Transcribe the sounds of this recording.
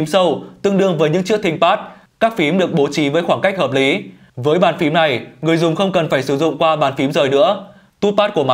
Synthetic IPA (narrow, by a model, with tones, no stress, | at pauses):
msə˧wt̪ɨ˧əŋɗɨ˧əŋvəː˨˦jɲɨ̰˧˥ŋt͡ɕɨ˦˥ək̚t̪ʰï˧ŋ̟paː˦˥t̚ | kaː˦˥k̚fi˨˦mɗɨ˨˩ək̚ɓo˨˦t͡ɕi˨˦vəː˨˦jxwaː˧˩ŋka˦˥jk̟̚həː˨˩p̚li˨˦ | vəː˨˦jɓaː˨˩nfi˨˦mna˨˩jŋɨ˨˩əjzʊ˨˩ŋ͡mxə˧wŋ͡mkə˨˩nfaː˧˩jsɨ˧˩zʊ̰˧˨ŋ͡mkwaː˧ɓaː˨˩nfi˨˦mzəː˨˩jnɨ̰˧˥ə | t̪u˦˥paː˦˥t̚ku˧˩əma˨